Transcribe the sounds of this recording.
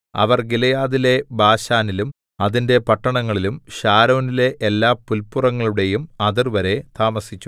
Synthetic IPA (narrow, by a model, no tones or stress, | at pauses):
ɐ̰ʋɐrɡilɐjaːðile̞bʱaːɕaːnilum | ɐðinde̞pɐʈːɐɳɐŋːɐɭilumɕaːɾo̞ːnile̞ʔːlːaːpːulpːurɐŋːɐɭuɽe̞jumɐðirʋɐɾe̞t̪aːmɐsit͡ɕːu